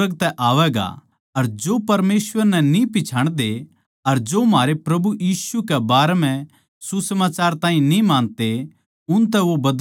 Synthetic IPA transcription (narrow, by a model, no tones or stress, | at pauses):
əɡt̪ɛʔaːʋɛːɡa̰ | ɐɾd͡ʒoːpɐɾmeːsʋəɾnɛnĩpɪt͡ʃʰaːɽ̃d̪e | ɐɾd͡ʒoːmɦaːɾepɾɐbujiːsukɛbaːɾɛmɛ̃ | susɐmaːt͡ʃaːɾt̪ãːɦĩnĩmãːnt̪e | ʊnt̪̬ɛʋobɐd̪